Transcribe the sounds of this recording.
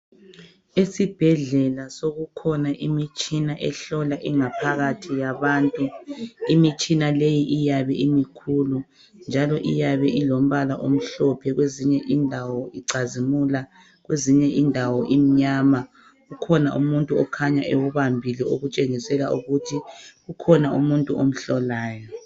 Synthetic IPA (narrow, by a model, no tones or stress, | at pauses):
esib̥ʱɛɮɛlasoɣukʰɔnaʔimit͡ʃʼinaʔɛɬɔlaʔiŋapʰaɣatʰijaβaːntʼuimit͡ʃʼinalejiʔijaβɛimikʰulu | nd͡ʒʱalɔʔḭjaβɛʔilom̩βalaʔom̩ɬɔpʰɛɣweziɲɛʔindʱawɔiǀazimula | ɣweziɲɛʔindʱawɔʔim̩ɲaːma | ɣukʰɔnaʔṵmuntʼuɔkʰaɲaʔewuβambʱilɛoɣut͡ʃʼeŋisɛlaʔuɣutʰiɣukʰɔnaṵmuntʼuʔom̩ɬɔlaːjɔ